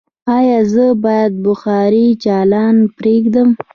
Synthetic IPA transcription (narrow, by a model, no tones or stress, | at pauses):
ɑjɑzəbɑjad̪̚bʊxɑɾit͡ʃɑlɑnpɾeɡd̪əm